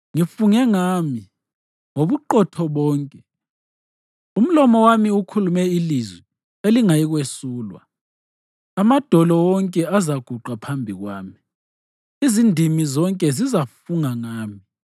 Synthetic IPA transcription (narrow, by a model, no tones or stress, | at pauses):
ŋifuŋɛŋami | ŋoβuǃɔtʰɔβɔːŋkʼɛ | um̩lɔmɔwamiukʰulumɛilizwi | eliŋajiɣwesuːlwa̰ | amad̥ʱɔlɔwɔŋkʼɛazaɡ̥ʱuǃapʰambʱiɣwaːmi | izindʱimizɔŋkʼɛzizafuŋaŋaːmi